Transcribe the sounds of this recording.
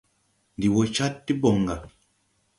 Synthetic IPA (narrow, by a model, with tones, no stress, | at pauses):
ndi˨wɔ˨t͡ʃa˦tːi˦bɔ˨ŋɡa˨